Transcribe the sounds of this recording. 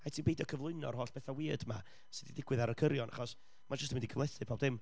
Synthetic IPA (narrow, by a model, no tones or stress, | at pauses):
atʰiːmbejdəkʰəvlˠʊɨnɔ̰rhoːɬb̥ɛθawiːədma̰ | sɨdidɪɡwɪðaɾəkʰəɾjɔna̰χɔs | mad͡ʒəstʰmɪndikʰəvlˠɛθɨpʰaːbdðɪm